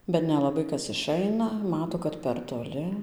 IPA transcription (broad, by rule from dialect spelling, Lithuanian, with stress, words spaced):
bʲɛt nʲɛlˠɐˈbɐɪ ˈkɐs ɪˈʃɐɪnɐ ˈmɑːtoː kɐt pʲɛr toːˈlʲɪ